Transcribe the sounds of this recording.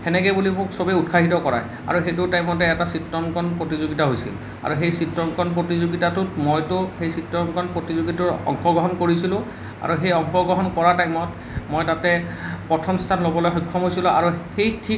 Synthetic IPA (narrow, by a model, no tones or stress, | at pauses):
ɛnɛkɛjbulimʊksobɛut̚kʰaɦitɔkɔɹa̰j | a̰ɹuxejt̬ʊtajmɔt̬ɛɛtasitɹɔŋkɔnpɹotizoɡitaɦojsḭl | a̰ɹuxejsitɹɔŋkɔnpɹotizoɡitatʊtmojtʊxejsitɹɔŋkɔnpɹotizoɡitʊɹɔ̰ŋxɔɡɹɔɦɔnkoɹisilʊ̃ | a̰ɹuxejɔŋxɔɡɹɔɦɔnkɔɹaɹtajmɔt | mojtatɛpɔtʰɔmstʰanlobɔlojxɔjkʰːɔmɦojsilʊ̃ʔa̰ɹuxejtʰi